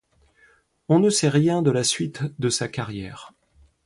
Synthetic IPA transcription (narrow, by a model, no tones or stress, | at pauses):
ɔ̃nəsɛʁjɛ̃d̪əlasɥit̪d̪əsakaʁjɛːʁ